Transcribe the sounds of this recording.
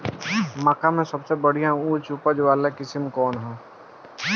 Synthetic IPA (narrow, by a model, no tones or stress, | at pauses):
məkamẽsɐbsebɐɽijãuːɾt͡ʃuːpəd͡ʒʋaːlekɪsɪmkɔːnɦɛ̃ː